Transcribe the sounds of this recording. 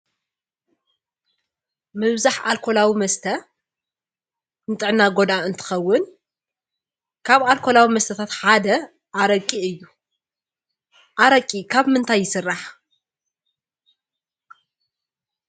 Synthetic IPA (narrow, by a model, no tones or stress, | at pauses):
mɨβzaħalkʰo̞lawimɐst̪ʰɐ | nɨt̪ʼɨʕnːaɡo̞d̪aɨnt̪ʰɨ̥xɐwːʊn | kʰaβalkʰolawimɐst̪ʰɐt̪ʰat̪ħad̪ɐ | ʔaɾɐkʼːiɨjːu | ʔaɾɐkʼikʰaβmɨnt̪ʰajːɪsɨrːaħ